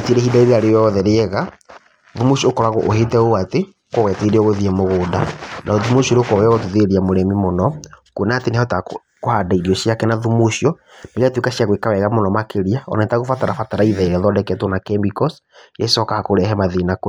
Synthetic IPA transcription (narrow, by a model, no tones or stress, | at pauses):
teɾehidaiɾeaɾeɛɔðɛɾeɛɣa | ðumuʃiokɔɾaɣoʔoɦetɛoate | kowɛteɾeɔɣoðiɛmoɣoːdanʔaoðumuʃɔɾeokɔwɛɣɔtuðeɾiamoɾɛmimonɔkuenaːtenehɔta | kohadaiɾiɔɕiakɛnaðumuɕiɔ | nekatwekaɕiaɣwekawɛɣamonɔmakeɾiaɔ̰nanetaɣofataɾafataɾaiðaiɾɛðɔdɛkɛtonakɛmbikɔs | jɛsɔkahakoɾɛɦɛmaðinako